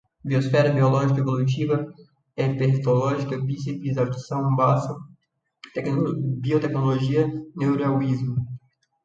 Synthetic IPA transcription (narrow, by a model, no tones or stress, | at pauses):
biosfɛɾɐbiolɔʒikɐevolut͡ʃivɐ | ɛpeht̪olɔʒikɐpĩsipizad̪sɐ̃w̃basɐ | t̪ɛbiot̪ɛknoloʒiɐnewɾawizmʊ